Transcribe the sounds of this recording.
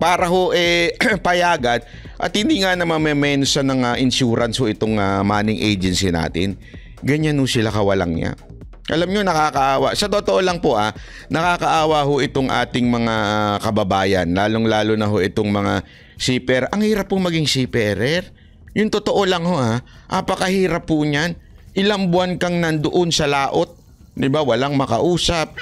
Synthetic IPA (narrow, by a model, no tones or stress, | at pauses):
paːɾɐhoʔɛpɐjaːɡɐd̪ | ʔɐ̰t̪̚hɪnd̪iːŋanɐmɐmɛmɛnsɐnɐŋaʔɪnʃuːɾɐnshoʔɪt̪oŋamaːnɪŋʔḛjd͡ʒɛnsina̰ːt̪ɪ̰n | ɡɐɲanhosɪlakɐwɐlɐ̰ŋɲa̰ | ʔɐlamɲo̞nɐkaːkɐʔaːwɐsɐt̪ot̪oʔolɐŋpoʔa | nɐkaːkɐʔaːwɐɦoʔɪt̪oŋʔa̰ːt̪ɪŋmɐŋakɐbɐbaːjɐ̰nlaːlo̞ŋlaːlonɐɦo̞ʔɪt̪o̞ŋmɐŋa | siːpɛɾɐŋhiːɾɐphʊŋmɐɡɪŋsipɛɾɛɾ | jʊŋt̪ot̪o̞ʔo̞lɐŋho̞ʔa | ʔɐpɐkɐhiːɾɐphʊɲanʔɪlaŋbʊankɐŋnɐnd̪oʔo̞nsɐlaːʔo̞t̪̚ | d̪ɪbawɐlaŋmɐkɐʔuːsɐp̚